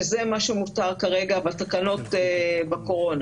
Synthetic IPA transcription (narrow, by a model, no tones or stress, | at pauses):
zemaʃemutaʁkaʁe̞ɡabat̪akano̞tebako̞ʁo̞na